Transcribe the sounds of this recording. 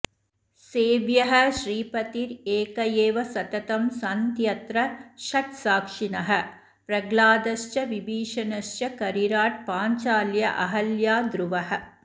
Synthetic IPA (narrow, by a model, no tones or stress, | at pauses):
seːʋjɐɦɐʃɾiːpɐt̪iɾeːkɐjeːʋɐsɐt̪ɐt̪ɐmsɐnt̪jɐt̪ɾɐʃɐʈsaːkʂinɐɦɐ | pɾɐɡlaːd̪ɐst͡ʃɐʋibiːʂɐnɐʃt͡ʃɐkɐɾiɾaːʈ̚paːɲt͡ʃaːljɐ̰ʔɐɦɐljaːd̪ɾʊʋɐɦɐ